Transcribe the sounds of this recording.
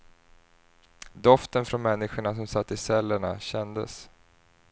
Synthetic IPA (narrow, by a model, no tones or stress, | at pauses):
d̪ɔft̪ənfɾɔnmɛnːɪɧʊɳasɔmsat̪ːɪsɛlːəɳaɕɛnd̪ə̰s